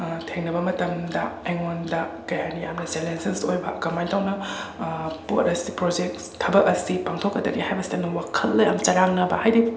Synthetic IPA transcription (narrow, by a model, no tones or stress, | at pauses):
tʰeŋnɐbɐmɐtɐmdɐeŋondɐkɐjanijamnɐselensensojbɐ̰kɐmajntʰawnɐ | potɐsipɾod͡ʒek̚stʰɐbɐk̚ɐsipaŋtʰokːɐdɐ̰ɡihajbɐsi̥temnɐwakʰɐlːɐjɐmt͡ʃɐɾaŋnɐbɐ̰hajdi